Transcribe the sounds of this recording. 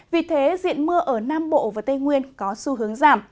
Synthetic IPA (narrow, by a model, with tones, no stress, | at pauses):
vi˨˩t̪ʰe˨˦zḭ˧˨ənmɨ˧əʔəː˧˩naː˧mɓo̰˧˨vaː˨˩t̪ə˧jŋwi˧ənkɔ˨˦su˧ɦɨ˨˦əŋzaː˧˩m